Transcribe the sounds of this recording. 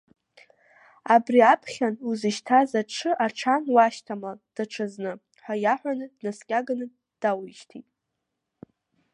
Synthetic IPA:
abriapʰχʲanuzɨʃtʰazaʈ͡ʂʰɨʔaʈ͡ʂʰanwaʃtʰamad̥aʈ͡ʂʰaznɨ | ħʷajaħʷᶣanɨdnaskʲʼaɡanɨ | d̥awiʃtʰitʼ

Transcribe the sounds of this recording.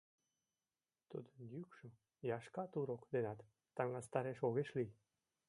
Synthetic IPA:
t̪ṵd̪ənjykʃo | jɑʃkɑt̪uɾokd̪enɑt̪ː | ɑŋɑst̪ɑɾeʃoɣeʃlij

